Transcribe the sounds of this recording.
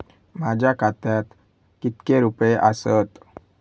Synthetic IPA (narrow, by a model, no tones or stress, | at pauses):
m̤ad͡ʑʱjakat̪jat̪ | kit̪keɾupjeʔasət̪